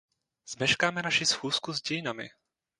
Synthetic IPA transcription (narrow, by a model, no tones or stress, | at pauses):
z̥mɛʃkaːmɛnaʃɪsxuːskuzɟɛjɪnamɪ̰